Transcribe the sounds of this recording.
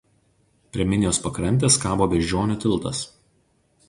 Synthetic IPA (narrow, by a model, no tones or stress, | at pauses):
pʲɾʲiɛmʲɪnʲɪjoːspɐkɾɐnʲt̪ʲeskɑːboːʋʲɛʒʲd͡ʒʲoːnʲʊt̪ʲɪlˠˑt̪ɐs